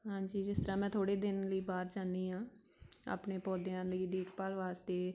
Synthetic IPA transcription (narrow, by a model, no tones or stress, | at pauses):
ɦãːɲd͡ʒiːd͡ʒɪst̪əɾãːmɛ̃ːt̪ʰoːɽeːd̪ɪnləiːbaːɾd͡ʒaːniːɦãː | a̰ːpneːpɔːd̪ɪjãːləiːd̪eːkʰpaːlʋaːst̪eː